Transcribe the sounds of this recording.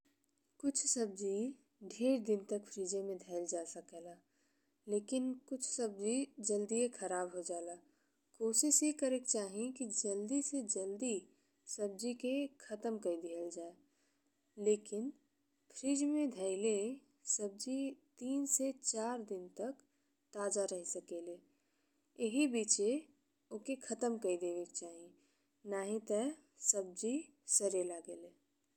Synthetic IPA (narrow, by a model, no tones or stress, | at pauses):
kʊt͡ʃʰsɐb̚d͡ʒi | ɖʱeːɾd̪ɪnt̪ɐkpʰɾiːd͡ʒemẽd̪ʱəːɪld͡ʒaːsəkelaː | leːkɪnkʊt͡ʃʰsɐb̚d͡ʒid͡ʒəld̪iekʰɐɾaːbɦod͡ʒaːlaː | koːʃɪʃɦikəɾekt͡ʃaːɦiẽkid͡ʒɐld̪ised͡ʒəld̪i | səb̚d͡ʒikekʰɐt̪əmkəid̪iəld͡ʒaːe | leːkɪn | pʰɾiːd͡ʒmẽd̪ʱəɪle | səb̚d͡ʒit̪iːnset͡ʃaːɾd̪ɪnt̪ək | t̪aːd͡ʒaɾəɦisəkele | jeɦibiːt͡ʃe | okekʰət̪əmkəid̪eːʋekt͡ʃaːɦi | naːɦĩt̪ə | səb̚d͡ʒi | səɾelaɡeːle